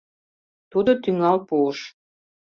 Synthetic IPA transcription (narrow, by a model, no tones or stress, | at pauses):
t̪ud̪ot̪yŋɑlpuəʃ